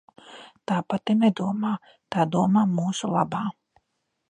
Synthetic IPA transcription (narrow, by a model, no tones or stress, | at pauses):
t̪aːpat̪imnɛd̪uɔmaː | t̪aːd̪uɔmaːmuːsulˠabaː